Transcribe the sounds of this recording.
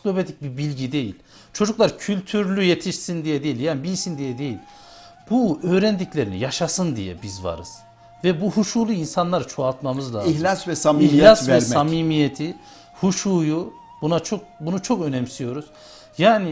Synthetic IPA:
lobet̪ʰic̚bibilʲɟid̪e̞jḭlʲ | t͡ʃʰo̞d͡ʒuklˠaɾcʰylʲt̪ʰyɾlʲyje̞t̪ʰiʃsind̪ijɛd̪e̞jilʲjaːnibilʲsind̪ijɛd̪e̞jilʲ | b̥uø̞ːɾɛnd̪iclʲe̞ɾinḭjaʃasɯnd̪ḭjɛ̰bizva̰ɾɯ̰z̥ | vɛbuɦuʃuːlˠuinsanlˠaɾt͡ʃʰoat̪mamɯzlˠaihlʲasvɛsamihlʲassvɛsamiːmijet̪ʰi | huʃuːju | bunat͡ʃʰok̚bunut͡ʃʰo̞kø̞nɛmsijo̞ɾuz̥ | jaːni

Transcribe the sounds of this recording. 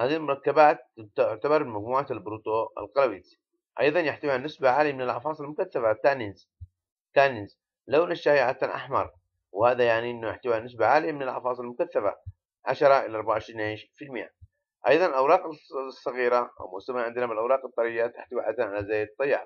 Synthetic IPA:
haːd̪iːlmɑɾˤɑkːabaːt̪̚t̪ʊʕt̪abɑɾˤmad͡ʒmuːʕalbɾuːt̪oːa̰lqɑlawit̪ | ʔɑ̰jðˤɑnjaħt̪awianːɪsbaʕaːlijamɪnalʕɑ̰fɑːsˤɨlmʊkaθːafat̪aːniz | t̪ːaːniz | lawnaʃːaːhiʕat̪anʔa̰ħmɑ̰ɾˤ | whaːðajaʕniʔɪnːujɪħt̪awianːɪs̬baʕaːlɪjamɪnalʕɑ̰fɑːsˤɨlmʊkaθːafa̰ | ʕaʃɑɾˤɑʔɪlaʔɑɾˤbaʕʕɪʃɾiːniːʃfilmɪja̰ | ʔɑjðˤɑnɪlʔawɾˤɑːqɪsˤːɑɣiːɾaʔa̰wmʊ̰samaʕɪnd̪ɪnamɪlʔawɾˤɑːqɨt̪ˤːɑɾijat̪aħt̪awiʕa̰d̪anʕalazaːjɪd̪t̪ˤːɑjːʕa̰

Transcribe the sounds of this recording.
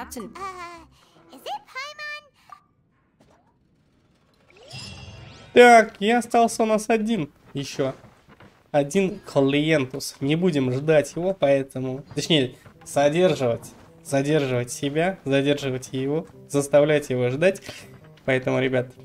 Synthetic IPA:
t̪akjaɐst̪ɑlˠsʲəʊnasɐdʲin | jɪɕːo̞ | ɐdʲinkʰəlʲˠɪjent̪ʊsnʲɪbudʲɪmʐd̪atʲjɪvo̞pɐɛt̪əmʊt̪ɐt͡ɕnʲejəz̥ɐdʲe̞rʐɨvətʲ | z̥ɐdʲe̞rʐɨvətʲsʲɪbʲazɐdʲe̞rʐɨvətʲjɪvo̞zəst̪ɐvlʲætʲjɪvo̞ʐd̪atʲ | pɐɛt̪əmʊɾʲɪbʲat̪

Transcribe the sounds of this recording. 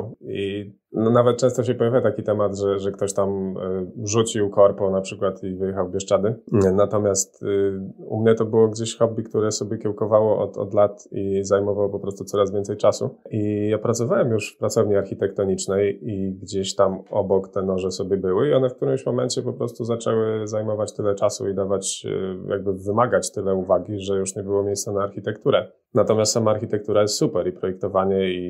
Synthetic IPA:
i | nɔnavɛt̪̚t͡ʂɛ̃st̪ɔɕɛpɔjavʲjat̪akʲit̪ɛmad̪ʐɛʐɛkt̪ɔɕt̪am | ʐut͡ɕiwkɔɾpɔnapʂɘkwat̪ivɘjɛxawbʲjɛʂt͡ʂad̪ɘnat̪ɔmʲjast̪ | ṵmɲɛt̪ɔbɘwɔɡd͡ʑeɕxɔbʲːikt̪uɾɛsɔbʲjɛkʲɛwkɔvawɔʔɔ̰t̪ɔ̰d̪lat̪izajmɔvawpɔpɾɔst̪ut̪sɔɾazvʲjɛnt̪sɛjt͡ʂasṵʔijapɾat̪sɔvawɛmjuʂfpɾat̪sɔvɲiaɾxʲit̪ɛk̚t̪ɔɲit͡ʂnɛjiɡd͡ʑeɕt̪amɔbɔkt̪ɛnɔʐɛsɔbʲɛbɘwɘiɔnɛfkt̪uɾɘmɕmɔmɛnt͡ɕɛpɔpɾɔst̪uzat͡ʂɛwɘzajmɔvat͡ɕt̪ɘlɛt͡ʂasṵid̪avat͡ɕjʔa̰ɡ̚bɘvɘmaɡat͡ɕt̪ɘlɛuvaɡʲiʐɛjuʂɲɛbɘwɔmʲejst̪sanaːɾxʲit̪ɛkt̪uɾɛ | nat̪ɔmʲjast̪samaːɾxʲit̪ɛk̚t̪uɾajɛst̪supɛɾipɾɔjɛk̚t̪ɔvaɲɛi

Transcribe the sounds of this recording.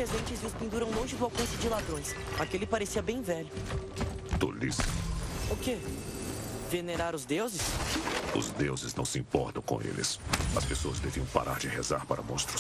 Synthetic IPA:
pɾezẽnt͡ʃɪzvɪspĩnd̪uɾɐ̃w̃lõʒɪd̪ʊawkõsɪd͡ʒɪlad̪ɾõj̃s | akelɪpaɾesiɐbẽj̃vɛʎʊ | t̪o̰lḭsʊke | veneɾaɾʊzd̪ewzɪsʊ̰zd̪ewzɪznɐ̃w̃sɪḭ̃mpɔɾt̪ɐ̃w̃kõ̰ḛlɪ̰sɐspesoɐzd̪eviɐ̃w̃pa̰ɾʔa̰ɾd͡ʒɪhezaɾpaɾɐ̰mõ̰st̪ɾʊs

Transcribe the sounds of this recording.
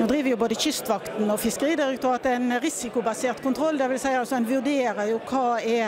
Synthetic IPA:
nuːd̪ɾiːʋəʁjʊboːd̪əçʏst̪ʋɑkt̪nɔfɪskəʁiːd̪ɪɾɛk̚t̪ʉɾɑt̪ɛɛnɾɪsɪkʊbɑseːʁt̪kʰʊnt̪ʰɾɔlːd̪ɛʋɪlsæɪɑlsɔɛnʋʉʁd̪eːɾəjʊkʰɑːɛ

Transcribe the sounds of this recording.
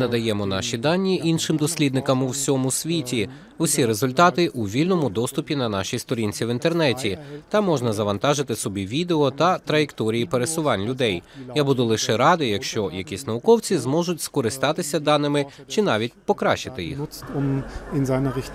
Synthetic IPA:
nɐd̪ɐjɛmɔn̪ɑ̰ʃʲid̪ɑnʲːiʔinʃɪmd̪ɔsʲlʲid̪nɪkɐmʊwsʲɔmʊsʲʋʲitʲi | ʊsʲiɾezʊlʲt̪ɑt̪ɪʔuʋʲilʲnɔmʊd̪ɔst̪ʊpʲinɐnɑʃijst̪ɔɾʲinʲt͡sʲiʋint̪ernɛtʲit̪ɐmːɔʒnɐzɐʋɐnt̪ɑʒɪt̪ɪsɔbʲiʋʲid̪eɔt̪ɐt̪ɾɐjekt̪ɔɾʲijipeɾesʊʋɑnʲlʲʊd̪ɛjjabud̪ʊlˠɪʃɛɾɑd̪ɪjɐkʃt͡ʃɔjɐkʲisʲnɐʋʊkɔwt͡sʲizmɔʒʊtʲskɔɾɪst̪ɑt̪ɪsʲɐd̪ɑnɪmɪt͡ʃɪn̪ɑʋʲit̚ʲpɔkɾɑʃt͡ʃɪt̪ɪjḭxʊt͡stʊmɪnzaɪnɐʁɪ

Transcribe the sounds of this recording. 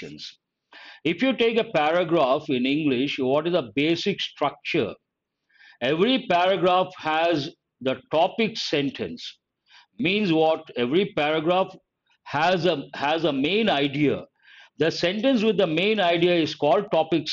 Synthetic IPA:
ə̰̃ns | ɪfjuʈeːkəpæɾəɡɾaːfɪ̃nɪ̃ŋɡlɪʃʋɔʈɪzəbeːsɪksʈɾʌk̚t͡ʃə̰ɾ | eʋɾipæɾəɡɾaːfhæz | d̪əʈɔpɪksɛ̃ɳʈʰə̰̃ns | mĩːnzʋɔʈeʋɾipæɾəɡɾaːf | hæzəhæzəmẽːnaɪɖia̰ | d̪əsẽɳʈə̃ns̬ʋɪd̪ːəmẽːnaɪɖiaɪzkɔːlɖ̚ʈɔpɪks

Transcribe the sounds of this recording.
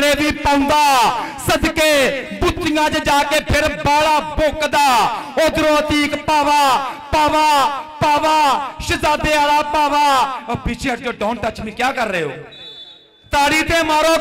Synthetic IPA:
ɽeːbiːpəːʊ̃nd̪aːsəd̪keːbʊt̪ːɪjãːt͡ʃd͡ʒaːkeːpʰɪɾbaːɽaːboːkd̪aːoːd̪ɾoːt̪iːkpaːʋaːpaːʋaːpaːʋaːʃəzaːd̪eːaːlaːpaːʋaːbiːt͡ʃʰed͡ʒoːɖoːnt̪ət͡ʃmĩːkjaːkəɾːeːo̰ː | t̪aːɽiːt̪eːmaːɾoː

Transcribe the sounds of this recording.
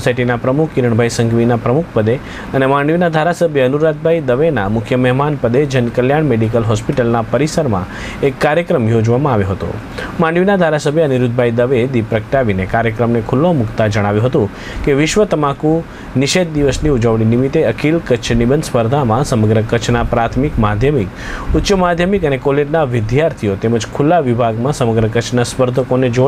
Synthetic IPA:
saiʈinapɾəmukʰiɾəɳbʱajsə̃ŋɡʋinapɾəmukʰpəd̪e | ənemãɳɖʋinad̪ʱaɾasəbʱjəənuɾat̪̚bʱajd̪əʋenamʊkʰjəmɛɦmanpəd̪ed͡ʒənkəljaɳmeɖik̬əlɦɔspiʈəlnapəɾisəɾmã̰ | ekːaɾjəkɾəmjod͡ʒʋamãaʋjõɦət̪o̰ | mãɳɖʋinad̪ʱaɾasəbʱjəːniɾud̪̚bʱajd̪əʋed̪ipɾəkʈaʋinekaɾjəkɾəmnekʰulːõmʊkt̪ad͡ʒəɽ̃aʋjũɦət̪ũ | keʋɪʃʋət̪əmaku | nɪʃet̪̚d̪iʋəsniud͡ʒəʋɽ̃inimit̪eəkʰilkət͡ʃʰnibənspəɾd̪ʱamãsəməɡɾəkət͡ʃʰnapɾat̪ʰmikmad̪ʱjəmik | ʊt̪ːt͡ʃəmad̪ʱjəmikənekɔleɖnaʋɪd̪jaɾt̪ʰijot̪eməd͡ʒkʰulːaʋibʱaɡmãsəməɡɾəkət͡ʃʰnaspəɾd̪ʱəkoned͡ʒo

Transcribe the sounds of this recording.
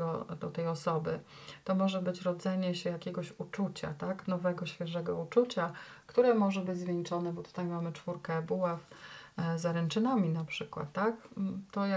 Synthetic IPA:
ɔd̪ɔt̪ɛjɔsɔbɘt̪ɔmɔʐɛbɘt͡ɕɾɔd̪zɛɲɛɕɛjakʲɛɡɔɕut͡ʂut͡ɕa̰t̪aknɔvɛɡɔɕfʲjɛʐɛɡɔut͡ʂut͡ɕakt̪uɾɛmɔʐɛbɘd͡ʑʲzvʲjɛnt͡ʂɔnɛbɔt̪u̥t̪ajmamɘt͡ʂfuɾkɛbuwaf | zaɾɛnt͡ʂɘnamʲinapʂɘkwa̰t̪ːakt̪ɔja

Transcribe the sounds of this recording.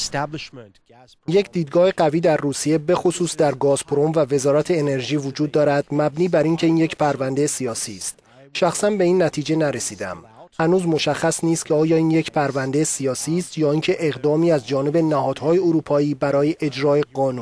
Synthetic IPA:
je̞cʰd̪iːd̪̚ɡɒːhe̞ɡæviːd̪æɾːuːsije̞be̞xo̞suːsd̪æɾɡɒːz̥pʰɾo̞mvæve̞zɒːɾæt̪ʰe̞ːne̞ɾʒiːvod͡ʒuːd̪̚ːɒːɾæd̪̥mæbniːbæɾiŋcʰe̞iːnjecpʰæɾvænd̪esijɒːsiːst̪ | ʃæxsænbe̞iːnːæt̪ʰiːd͡ʒe̞næɾesiːd̪æ̰m | hænuːzmo̞ʃæxːæsniːst̪kcʰe̞ɒːjɒːiːnje̞cʰpʰæɾvænd̪esijɒːsiːst̪jɒːiːŋcʰe̞ʔeɣd̪ɒːmiːæzd͡ʒɒːne̞be̞næhɒːd̪̥hɒːje̞oɾuːpʰɒːiːbæɾɒːje̞ʔed͡ʒɾɒːe̞ɡɒːnun

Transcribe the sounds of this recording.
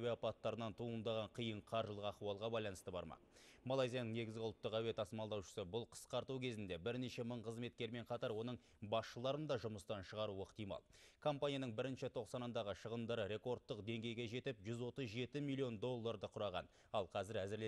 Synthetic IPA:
weapɑt̪ːɑɾənɑnt̪ʰuənd̪ɑʁɑɴqʰijəɴqʰɑɾʒəlˠəqɑqt̪uɑlˠʁɑbɑjlˠɑnəst̪əbɑ̰ɾmɑ̰molˠajzijanəɴne̞ɡʲɪzɡʲɪʊlˠt̪ːəqæwe̞t̪ʰɑsmɑlˠd̪ɑwʃə̥səbʊlˠqʰə̥sqɑɾt̪ukʲʰe̞zɪnd̪e̞bɪɾne̞ʃe̞məɴqʰəzme̞t̪̚kʲe̞ɾme̞ɴqʰɑt̪ɑɾwo̞nəɴ | bɑsʃəlˠɑɾənd̪ɑʒʊməst̪ɑnʃəʁɑɾuəqt̪ijmɑ̰lˠkʰo̞mpanʲijanəɴbɪɾɪnʃɪt̪ʰo̞qsɑnɑnd̪ɑʁəʃəʁənd̪ɑɾəɾe̞ko̞rt̪ːəqd̪e̞ŋɡʲe̞jɡʲe̞ʒe̞t̪ɪpʒʏzwo̞t̪əzʒe̞t̪ɪmilʲˠːio̞nd̪o̞lˠːaɾd̪əqʰʊɾɑʁɑ̰n | ɑlˠqʰɑzɪɾæzɪɾle

